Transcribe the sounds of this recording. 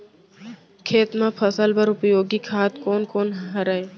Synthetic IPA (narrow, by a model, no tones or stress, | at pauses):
kʰeːt̪mẽpʰəsəlbəɾʊpjoːɡikʰaːt̪koːnkoːnɦəɾəe